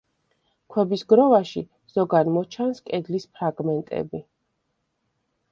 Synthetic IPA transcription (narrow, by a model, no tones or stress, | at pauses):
kʰwɛbisɡɾɔvaʃi | z̥ɔɡanmɔt͡ʃʰanskʼɛd̪lispʰɾaɡmɛnt̪ʼɛ̰bi